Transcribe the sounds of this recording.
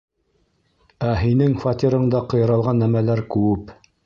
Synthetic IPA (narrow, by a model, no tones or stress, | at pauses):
æɦinɘŋfɑt̪ʲiɾɤ̆ɴd̪ɑqɤ̆jɤ̆ɾɑlˠʁɑnːæmælæɾkʉɘp